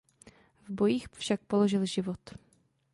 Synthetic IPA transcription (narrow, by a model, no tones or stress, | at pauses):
vbo̞jiːxfʃak̚po̞lo̞ʒɪlʒɪvo̞t̪